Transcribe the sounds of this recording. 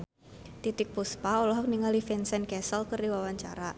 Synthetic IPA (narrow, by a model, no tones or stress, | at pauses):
t̪it̪ɪk̚puspaɔlɔɦɔk̚niŋalifɛnsɛnkɛsəlkərdiwawaɲt͡ʃa̰ɾa